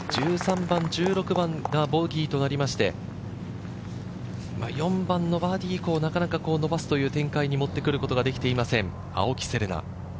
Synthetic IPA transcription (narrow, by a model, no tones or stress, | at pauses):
d͡ʑ̥ɨːsãmbãɲ̟d͡ʑɨːɾo̞kɯ̟bãŋɡabo̞ɡʲiːt̪o̞naɾʲimaɕi̥t̪e̞̰ | ma̰jõ̞mbãnːo̞baːd̪ʲiko̞ːnakanakako̞ːno̞basɨ̥t̪o̞jɯ̟ːt̪ẽ̞ŋkaiɲ̟imo̞t̪ːe̞kɯ̟ɾɯ̟ko̞t̪o̞ɡad̪e̞kʲi̥t̪e̞imasẽ̞ɴ | a̰o̞kʲi̥se̞ɾɯ̟na̰